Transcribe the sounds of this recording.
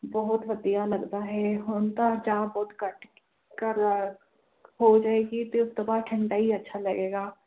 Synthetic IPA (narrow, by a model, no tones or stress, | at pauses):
bɔɦʊt̪ʋɐd̪ijalɐɡt̪aɦɛɦoːnt̪ad͡ʒaːbɔːt̪kɐʈ | kəɾ | ɦod͡ʒaːeːɡit̪oʊst̪obaːd̪̚ʈʰɐ̃ɳʈaɦiɐtːʃʰalɐɡeːɡaː